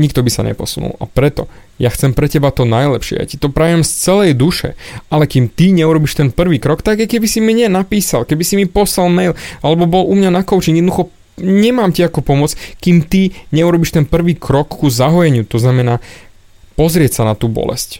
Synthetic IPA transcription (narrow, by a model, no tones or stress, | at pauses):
ɲikt̪ɔbisa̰ɲɛ̰pɔsunṵla̰pɾɛt̪ɔ | jaxt͡sɛmpɾɛcɛbat̪ɔnajlɛpʃɪɛ̰ja̰ci̥t̪ɔpɾajɛmst͡sɛlɛjd̪uʃɛ̰ʔalɛkimt̪iɲɛuɾɔbiʃt̪ɛnpr̩ʋiːkɾɔkt̪aɡajkɛbisimiɲɛnapiːsalkɛbisimipɔslalmɛjlalɛbɔbɔlumɲanakɔʊt͡ʃiŋɛd̪nd̪uxɔ | ɲɛmaːmciakupɔmʊɔt͡skimt̪iɲɛuɾɔbiʃt̪ɛnpr̩ʋiːkɾɔkːuzaɦɔjɛɲɪut̪ɔznamɛnaː | pɔzɾɪɛcsanat̪uːbɔ̰lɛ̰sc